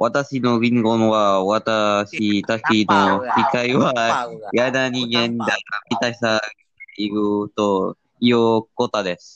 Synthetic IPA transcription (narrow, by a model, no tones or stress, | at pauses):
βʔat̪aɕino̞ɡʲĩŋɡonβaβat̪aɕit̪aɕino̞sikaiβajad̪aɲiɡẽnd̪aɡamʲit̪aɕi̥sa | iɾɯt̪o | ijokot̪ad̪esɨ̥